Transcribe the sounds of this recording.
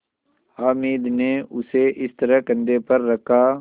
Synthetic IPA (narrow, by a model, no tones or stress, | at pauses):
aːmiːd̪neʊseʔɪst̪ɐɾəkɐ̃nd̪epɐɾːɐkʰaː